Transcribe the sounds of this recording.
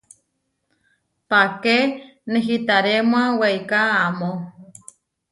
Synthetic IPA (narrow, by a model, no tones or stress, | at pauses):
pakenẽɦit̪aɾemw̃ãwejkaːmo